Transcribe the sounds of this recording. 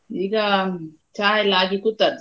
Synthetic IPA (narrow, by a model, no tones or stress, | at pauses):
iɡa | t͡ʃajlaːɡikut̪at̪